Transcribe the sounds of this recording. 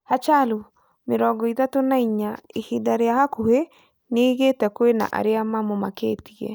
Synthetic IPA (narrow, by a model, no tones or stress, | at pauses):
hat͡ʃalo | meɾɔɡɔiðatonaiɲaihidaɾeahakohe | neɣetɛkwena̰ʔa̰ɾeamamomakeːtiɛ̰